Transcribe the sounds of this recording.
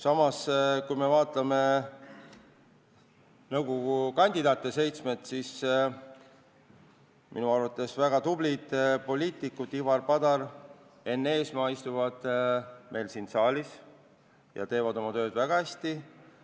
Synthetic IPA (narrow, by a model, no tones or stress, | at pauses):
sɑmɑskujme̞vɑːt̪ˑlɑme̞ | nɤwɡoɡukɑnʲd̪id̪ɑːt̪ːˑe̞se̞jt̪smet̪sis | mḭnuɑrvɑt̪ˑːe̞svæɡ̥ɑt̪ub̥lid̪̥po̞lʲiːt̪ˑikːˑut̪ːivɑrpɑd̪̥ɑr | e̞nːe̞ːsmɑːist̪uvɑd̪̥mʔe̞jlsinsɑːlʲis | jɑ̰t̪e̞ːvɑd̪o̞mɑt̪ø̞ːd̪væɡ̥ɑhæsʲt̪i